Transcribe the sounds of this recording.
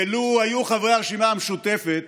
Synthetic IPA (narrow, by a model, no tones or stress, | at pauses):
eluajuχavʁeaʁeʃimaameʃut̪e̞fet̪